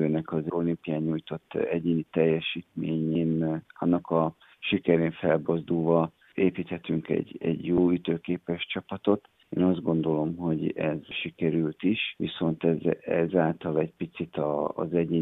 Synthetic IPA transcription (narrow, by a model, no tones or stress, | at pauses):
øːnɛkɒzo̞limpijaːɲuːjt̪o̞t̪ːɛɟeːnit̪ɛjːɛʃiːt̪meːɲeːnɒnːɒkɒ | ʃikɛɾeːɱfɛlbo̞zd̪ulvɒ | eːpiːt̪hɛt̪yŋkɛ̰ɟɛ̰ɟjoːyt̪øːkeːpɛʃt͡ʃɒpɒt̪o̞t̪ | ḛːnɒzd̪ɡo̞nd̪o̞lo̞mɦo̞ɟɛ̰zʃikɛɾylt̪iʃʋiso̞nt̪ɛzɛzaːlt̪ɒlɛɟpit̪sit̪ɒ̰ːzɛɟeː